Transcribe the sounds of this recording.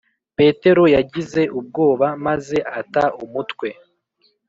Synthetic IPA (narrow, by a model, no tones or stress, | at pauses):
pe̞ːte̞ɾo̞jaɟize̞ʔub̚ɡo̞ːβamaze̞ʔataumutkwe̞